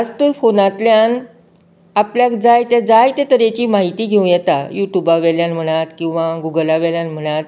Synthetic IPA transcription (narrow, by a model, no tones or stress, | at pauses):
ad͡zt̪ujfonat̪ljan | apljakd͡zajt̪jad͡zajt̪et̪əɾet͡ɕiːmaɦit̪iːɡʱeũjɛt̪ajuʈjubaʋɛljãnm̤əɽ̃at̪kĩw̃ʋaɡuɡəlaʋɛljãnm̤əɽ̃at̪